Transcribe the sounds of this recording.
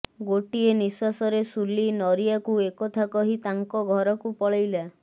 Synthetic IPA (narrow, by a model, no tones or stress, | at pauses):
ɡoʈienisasɔɾesulinɔɾijakuekɔt̪ʰakɔɦit̪aŋkɔɡʱɔɾɔkupɔɭajla